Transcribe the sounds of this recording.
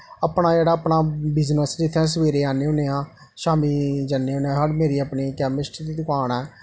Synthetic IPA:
aːpɳaːd͡ʒeːɽaːəpɳaːbɪznəsd͡ʒɪt̪ʰːãːs̬əʋeːɾeːaːneːõːneãː | ʃaːmiːd͡ʒəneːoːneãːɦəɽmeːɾiːəpniːkɛːmɪsʈɪd̪iːd̪ʊkaːnɛː

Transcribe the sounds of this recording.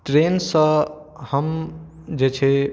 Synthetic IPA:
ʈɾeːnsə̃ | həm | d͡ʒet͡ʃʰe

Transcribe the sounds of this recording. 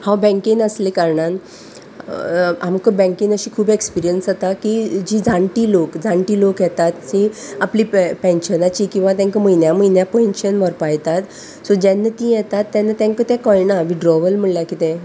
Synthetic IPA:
hãwbɛ̃ŋkiŋəslekaɾɳan | amkəbɛ̃ŋkĩŋəɕiːkʰuːbekspiɾijənsɦət̪akid͡ʑiːd͡zãɳʈiːlokd͡zãɳʈiːlokjɛt̪at̪t͡ɕiaplipɛ̃nɕənat͡ɕiːkĩw̃ʋat̪jãŋkəməjnjaməjnjapenɕənʋəɾpajt̪at̪ | sɔd͡ʑɛnːət̪ĩjɛt̪at̪ːjanːət̪jãŋkət̪ɛ̃kɔɭnaʋiɖɾɔʋəlm̤əɭljakit̪ẽ

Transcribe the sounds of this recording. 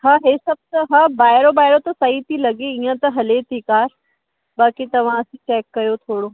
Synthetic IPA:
ɦaɦeːsɐb̚ʱt̪ɐɦabaːɪɾobaːɪɾot̪ɐsɐɦit̪ʰilɐɡeiːə̃t̪ɐɦɐlet̪ʰikaːɾ | baːkit̪ɐʋ̤ãɐsĩʈɛːkːɐjot̪ʰoːɽo

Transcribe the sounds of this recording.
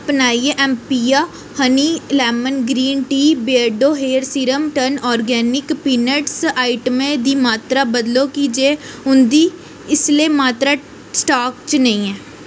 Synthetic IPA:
əpnaːieʔɛ̃ːmpiːaː | həniːlɛːmənɡɾiːnʈiːbeəɖoːɦeːɾsiɾəmʈənɔːɾɡɛːnɪkpiːnəʈsaːɪʈəmẽd̪iːmaːt̪ɾaːbəd̪loːkiːd͡ʒeʊnd̪iː | ɪslemaːt̪ɾa | sʈaːkt͡ʃnəĩɛː

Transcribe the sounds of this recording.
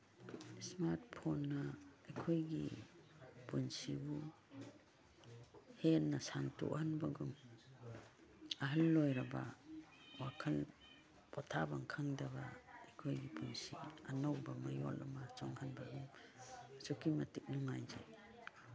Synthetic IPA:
smaɾt̚pʰonːaːjkʰojɡḭ | punsibu | hennːasaŋtṵhanbaɡum | aɦəlːojɾaba | wakʰal | pɔtʰabaŋkʰaŋdaba̰ːjkʰojɡipunsḭanawbamajɔ̰lɔmat͡ʃɔŋhanbaɡum | sukʰimatik̚nuŋajd͡ʒe

